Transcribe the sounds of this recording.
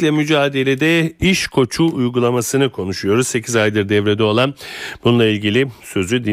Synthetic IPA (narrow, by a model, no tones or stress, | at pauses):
lʲɛmyd͡ʒaːd̪e̞lʲed̪ɛiʃkʰo̞t͡ʃʰuːjɡulˠamasɯnɯkʰo̞nuʃujo̞ɾuzse̞cʰizajd̪ɯɾd̪ɛvɾed̪ɛo̞lˠanbununˠailʲɟilʲisø̞zyd̪i